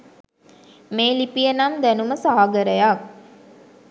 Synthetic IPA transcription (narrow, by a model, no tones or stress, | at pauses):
meːlipijənamd̪ænuməsaɦaɡəɾəjak